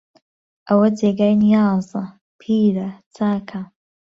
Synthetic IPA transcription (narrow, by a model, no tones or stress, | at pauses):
ʔɐwɐd͡zeːɡaːjnijɑːzɐ | pʰiːɾɐt͡sʰaːkʰɐ